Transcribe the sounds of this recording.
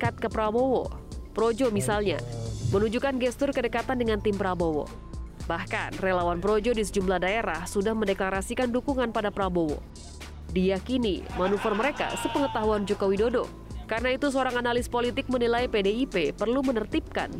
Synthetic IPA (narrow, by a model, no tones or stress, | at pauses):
kat̪̚kəpɾabowo̰pɾod͡ʒomisalɲa̰mənud͡ʒukanɡɛst̪ʊrkədəkat̪andəŋant̪ɪmpɾabowo̰ | bahka̰nrelawanpɾod͡ʒodis̬əd͡ʒumlahdaeɾahsudahməndɛklaɾasikandukuŋanpadapɾabowo̰ | dijakinḭmanufɔrməɾeka̰səpəŋət̪aɦuand͡ʒokowidodo̰ | karənait̪us̬əoɾaŋanalispolit̪ɪk̚mənilaipedeipepərlumənərt̪ip̚ka̰n